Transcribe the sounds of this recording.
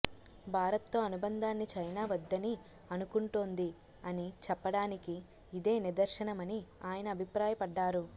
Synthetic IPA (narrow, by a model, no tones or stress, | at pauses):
bʱaːɾɐt̪ːo̞ːɐnubɐnd̪ʱaːnːit͡ʃɐjnaːʋɐd̪ːɐni | ɐnukuɳʈoːnd̪i | ɐnit͡ʃɛpːɐɽaːnikiː | d̪e̞ːnid̪ɐɾʃɐnɐmɐniaːjɐnɐːbʱipɾaːjɐpɐɖːaːɾu